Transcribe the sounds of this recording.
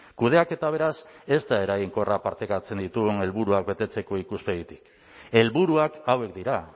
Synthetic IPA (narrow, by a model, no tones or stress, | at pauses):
kuð̞e̞ake̞t̪aβ̞e̞ɾase̞zt̪ae̞ɾajiŋko̞rapaɾt̪ekat͡se̞nd̪it̪uɣune̞lβuɾuak̚be̞t̪e̞t͡se̞ko̞ikuspeɣit̪i̥k | e̞lβuɾuakawe̞k̚d̪iɾa